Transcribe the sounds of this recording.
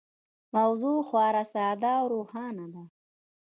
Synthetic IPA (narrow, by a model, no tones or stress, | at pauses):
mawzuːxwɑːɾasɑːd̪awɾuːhɑːnad̪a